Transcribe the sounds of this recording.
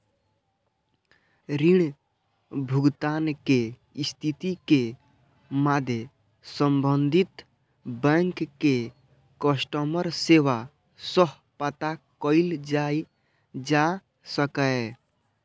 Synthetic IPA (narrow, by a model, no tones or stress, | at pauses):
ɾiɽ̃ | bʱʊɡt̪aːnke | st̪ʰit̪ike | mad̪ʱje | səmbənd̪ʱit̪ | bɛ̃ŋkkːe | kəsʈəməɾseːʋa | səɦ | pət̪akəɪld͡ʒa | d͡ʒa | səkə